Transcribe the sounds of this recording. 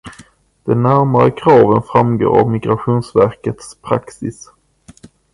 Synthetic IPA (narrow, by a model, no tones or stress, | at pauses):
d̪̥ɛnːæɾmaɾəkʰɾɑːvənfɾamɡo̰ːɾa̰vmɪɡɾaɧuːnsvæɾkət̪spʰɾa̰ksɪs